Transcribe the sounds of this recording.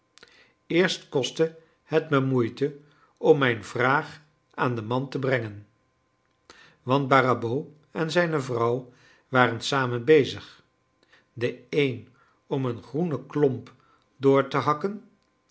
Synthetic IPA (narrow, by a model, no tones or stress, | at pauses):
ɪːɹstkɔstə | hətməmujtə | ɔmːɛjnv̥raːχ | aːndəmɑntəbrɛŋən | ʋɑnd̚barabo | ɛnzɛjnəvrʌw | ʋaːrənsaːmənbejzəχ | dəejn | ɔmənχrunəklɔmp | dʊːɹtəɦɑkən